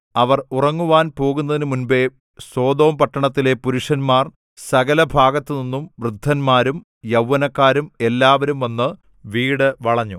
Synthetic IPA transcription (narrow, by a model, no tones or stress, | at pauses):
ɐʋɐrurɐŋːuʋaːnpo̞ːɣunːɐðinɨmunbe̞ | so̞ːd̪o̞ːmpɐʈːɐɳɐt̪ːile̞puɾuʂɐnmaːr | sɐɣɐlɐbʱaːɡɐt̪ːɨninːumʋrɨd̪ʱːɐnmaːɾum | jɐwːɐnɐkːaːɾume̞lːaːʋɐɾumʋɐnːɨ | ʋiːɽɨʋɐɭɐɲːu